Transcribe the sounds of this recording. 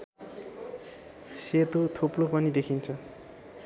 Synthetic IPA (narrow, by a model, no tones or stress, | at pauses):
set̪ot̪ʰoplopʌnid̪ekʰint͡sʰʌ